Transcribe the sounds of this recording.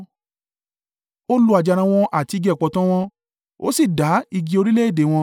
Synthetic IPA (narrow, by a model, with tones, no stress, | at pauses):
o˦lu˦a˧d͡ʒa˧ɾ̃ã˧w̃ɔ̃˧ʔa˦˨ti˧ɡɛ˦˨k͡pɔ˧tã˦w̃ɔ̃˧ | o̰˦si˦˨da˨˦i˧ɡi˧o˧ɾi˦le˦e˦˨de˨˦w̃ɔ̃˧